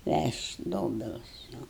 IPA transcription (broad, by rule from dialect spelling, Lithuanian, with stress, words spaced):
ˈʋʲæʃʲtʲ ˈdoːbʲɪlˠʊs jɛʊ